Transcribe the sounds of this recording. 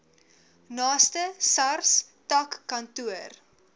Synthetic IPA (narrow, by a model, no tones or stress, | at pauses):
nɑːstəsɐrs | tɐkːɐntuər